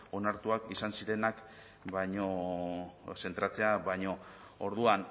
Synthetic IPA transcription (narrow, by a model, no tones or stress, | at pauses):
o̞naɾt̪uakisansiɾe̞nak | bajɲo̞ | se̞nt̪ɾat͡se̞aβajɲo̞ | oɾð̞uan